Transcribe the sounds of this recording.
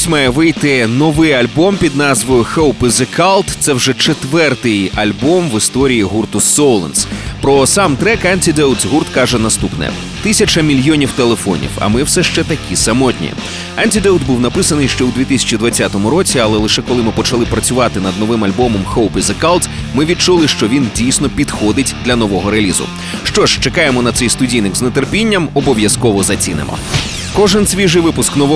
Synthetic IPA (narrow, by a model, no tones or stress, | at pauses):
sʲmɛjɛʋɪjt̪ɪnɔʋɪjɐlʲbɔmpʲid̪nɑzʋɔjʊxowpɪzekalˠt̪t̪sɛwʒɛt͡ʃet̪ʋɛrt̪ɪjɐlʲbɔmʋɪst̪ɔɾʲijiɦurt̪ʊsɔlˠɐ̰nspɾɔsɑmt̪ɾɛkɛnʲt̪ʲid̪ɛwt̪zɦurt̪kɑʒɛnɐst̪upnɛ̰ | t̪ɪsʲɐt͡ʃɐmʲilʲjɔnʲiwt̪elˠefɔ̰nʲḭwɐ̰mɪwsɛʃt͡ʃɛt̪ɐkʲisɐmɔt̪ʲnʲḭ | ɛnʲtʲid̪ɛwt̪buwnɐpɪsɐnɪjʃt͡ʃɔwd̪ʋʲit̪ɪsʲɐ̥t͡ʃʲid̪ʋɐt͡sʲːat̪ɔmʊɾɔt͡sʲiɐlˠɛlˠɪʃɛkɔlˠɪmɨpɔt͡ʃɐlˠɪpɾɐt͡sʲʊʋɑt̪ɪnɐd̪̚nɔʋɪmɐlʲbɔmɔmxɔwpʲizɐkalˠt̪zmɪʋʲid̪̚t͡ʃulˠɪʃt͡ʃɔʋʲindʲijsʲnɔpʲid̪xɔd̪ɪtʲd̪lʲɐnɔʋɔɦɔɾeɐlʲizʊ̰ | ʃt͡ʃɔʒt͡ʃekɑjemɔnɐt̪sɛjst̪ʊdʲijnɪɡznet̪erpʲinʲːɐmɔbɔʋjɐskɔʋɔzɐt͡sʲinɪ̰mʔɔ̰ | kɔʒɪnsʲʋʲiʒɪjʋɪpʊsknɔʋɔ